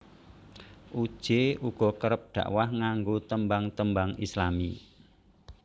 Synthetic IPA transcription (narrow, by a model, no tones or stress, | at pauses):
ʔud̥ʒ̥euɡ̥ɔ̤kəɾəp̚ɖ̪̥ä̰ʔwahŋaŋɡot̪əmbaŋt̪əmbaŋislami